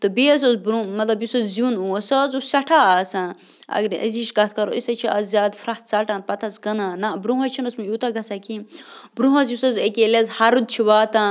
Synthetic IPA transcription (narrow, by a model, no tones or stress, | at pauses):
t̪ɨbiɐs̬ɐzbɾumɐt̪lɐbjusɐzzunuɐsɐzussɐʈʰaːaːsã | ɐ̰ɡɾɐ̰ziʃɡɐt̪̚ʰkɐɾo̰isɐt͡ʃʰiʔɐzzaːd̪fɾɐt̪̚ʰt͡saʈãnpɐt̪ʰɐsɡɐnanabɾũɦɐt͡ʃʰinɐsmujuːt̪aɡɐt͡sakibɾuɦɐs̬jusɐzekelezhaɾud̪̚t͡ʃʰiʋaːt̪a